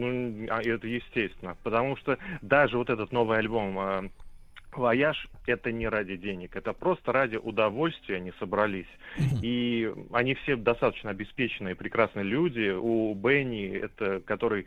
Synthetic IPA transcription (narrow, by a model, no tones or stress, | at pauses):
nuaɛt̪əjɪsʲtʲest̪vʲɪnːəpət̪ɐmuʂt̪od̪aʐɨvo̞t̪ɛt̪ət̪no̞vɨjɐlʲbo̞mə | vɐjaʂɛt̪ənʲɪɾadʲɪdʲenʲɪkɛt̪əpɾo̞st̪əɾadʲɪʔʊd̪ɐvo̞lʲst̪vʲɪjəɐnʲisəbɾɐlʲisʲiɐnʲifsʲed̪ɐst̪at̪ət͡ɕnəɐbʲɪspʲet͡ɕɪnɨjɨpɾʲɪkɾasnɨjəlʲudʲɪubɛnʲɪɛ̰t̪əkɐt̪o̞ɾɨj